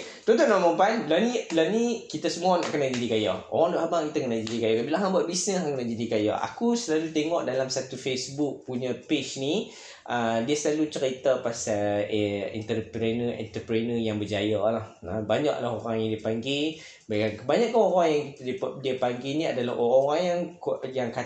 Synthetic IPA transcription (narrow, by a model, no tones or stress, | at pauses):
t̪ɔnt̪ɔnaməpanlawnilawnikit̪asəmuana̰ʔkənaʔd͡ʒadikaja̰o̰ɾaŋdoʔɦabaŋkit̪akənad͡ʒadikajakabilaɦabaʔ̚bisnəsŋkənaʔd͡ʒadikaja̰a̰kusəlalut̪eŋɔʔdalamsat̪ufesbuk̚puɲə̃pet͡ʃni | ʔədiəsəlalut͡ʃəɾit̪apasa | ḭnt̪ərpɾɛnəɛ̰nt̪əpɾenəjaŋbəd͡ʒajalahabaɲaʔlaɦoɾaŋjaŋdiəpaŋɡi | bakankəbaɲaʔkːanoɾaŋjaŋkit̪aidiəpaŋɡinĩa̰dalahoɾaoɾaŋjaŋkjaŋka